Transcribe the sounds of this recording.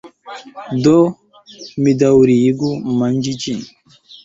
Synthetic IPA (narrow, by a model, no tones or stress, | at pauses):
do | midawɾijiɡumand͡ʒid͡ʒin